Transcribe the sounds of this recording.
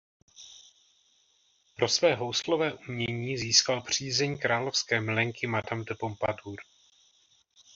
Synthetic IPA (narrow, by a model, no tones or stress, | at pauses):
pɾo̞svɛːɦo̞wslovɛːʔumɲɛɲiːziːskalpr̝̥iːzɛɲkɾaːlofskɛːmlɛŋkɪmadamd̪ɛpompaduːɾ